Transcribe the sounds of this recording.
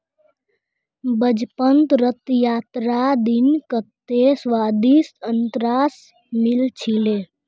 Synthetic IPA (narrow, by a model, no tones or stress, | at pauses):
bəd͡ʒpənt̪ɾət̪jaːt̪ɾad̪inkət̪ːesʋaːd̪isənt̪ɾaːs | milt͡ʃʰile